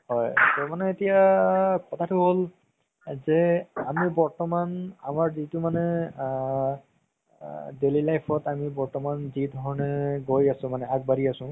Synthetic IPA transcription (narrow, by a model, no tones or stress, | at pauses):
ɦɔjtɔmanɛetijakɔtʰatʰʊɦol | zɛamibɔɹtɔmanamaɹzitumanɛ | delilajpʰɔtamibɔɹtɔmanzidʱɔɹɔnɛɡojasʊ̃manɛak̚baɹiasʊ̃